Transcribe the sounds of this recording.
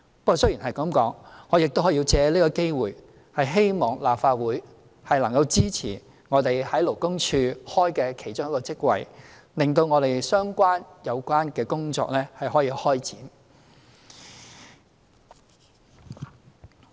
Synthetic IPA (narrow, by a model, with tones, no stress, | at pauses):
pɐ˥kɔː˨˩sɵ˥ɥji˨˩ɦɐ˨jkɐ˨˥mkɔː˨˥ŋŋɔː˨˧jɪ˨k̚t̪whɔː˨˥i˧t͡sɛː˨˧liː˥kɔː˧ke˥jwuː˨˩j | hɐ˨jɦe˥jmɔː˨ŋlaː˨pfaː˧t̚wuː˨˥j | hɐ˨jlɐ˨˩ŋkɐ˧wt͡siː˥t͡sʰḭː˨˩ | ŋɔː˨˧t̪e˨jhɐ˨˥jlo˨˩wkʊ˥ŋt͡ʃʰyː˧hɔː˥jkɛː˧kʰe˨˩jt͡ʃʊ˥ŋjɐ˥kɔː˧t͡sɪ˥k̚wɐ̰˨j | lɪ˨ŋt̪o˧wŋɔː˨˧t̪e˨jsœː˥ŋkʷaː˥njɐ˨˧wkʷaː˥nkɛː˧kʊ˥ŋt͡ʃɔ̰ː˧k̚lɛː˥hɐ˨jɦɔː˨˥jiː˧hɔː˥jt͡sḭː˨˥n